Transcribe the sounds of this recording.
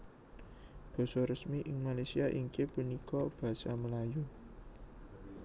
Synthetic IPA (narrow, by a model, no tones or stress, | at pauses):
b̥ɔ̤sɔrəsmiʔɪŋmalasiaʔiŋkepunikɔb̥ä̤saməlaju